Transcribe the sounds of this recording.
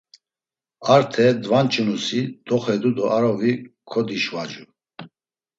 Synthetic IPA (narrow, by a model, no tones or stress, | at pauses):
aɾt̪ʰɛd̪vant͡ʃʼunusid̪̥ɔχɛd̪ud̪ɔʔaɾɔvikʰɔd̪iʃvad͡ʒu